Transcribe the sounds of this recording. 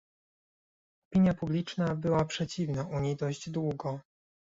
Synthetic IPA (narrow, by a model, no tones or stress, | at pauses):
ɔpʲiɲjapublʲit͡ʂnabɘwapʂɛt͡ɕivnaʔuɲejd̪ɔʑd͡ʑd̪wuɡɔ